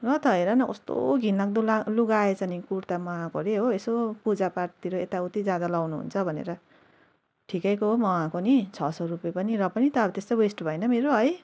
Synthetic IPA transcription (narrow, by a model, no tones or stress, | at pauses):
rʌt̪ʌɦeɾanʌkʌst̪o̰ɡʱinlaɡ̚d̪olaluɡaet͡sʌnikuɾt̪amʌãkoɾeɦoesopud͡zapart̪iɾoet̪aut̪id͡zjad̪alawnuɦṵnt͡sʰʌbʱʌnḛɾʌ | ʈʰikʌjkoɦmʌwãkonit͡sʰʌsʌrupjepʌniɾʌpʌnit̪ʌt̪est̪ʌwesʈbʱʌjnʌmeɾoɦʌj